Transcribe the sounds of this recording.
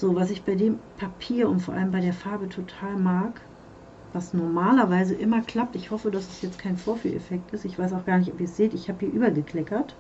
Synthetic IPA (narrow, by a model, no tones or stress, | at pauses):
z̥oːvas̬ɪçb̥aɪdeːmpʰapʰiːɐʊntfoɐʔa̰ləmbaɪdeːɐfaɐbətʰotʰaːlmaːk | v̥asnɔɐmaːlɐvaɪzəʔɪmɐkl̥ap̚tɪçhɔfədasɛsjɛt͡stkʰaɪnfoːɐfy̰ːlʔɛ̰fɛk̚tɪstɪçv̥aɪs̬aʊxɡ̥aːɐnɪçtɔpiːɐsz̥eːtɪçhaːbhiːɐʔyːbɐɡəkl̥ɛkɐt